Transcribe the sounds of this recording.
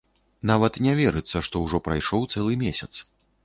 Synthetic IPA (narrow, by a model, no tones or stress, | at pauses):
navɐt̪nʲɛvʲɛɾɨt̪sːɐʂt̪ɔwʐɔpɾajʂɔwt̪sɛlˠɨmʲesʲɐt̪s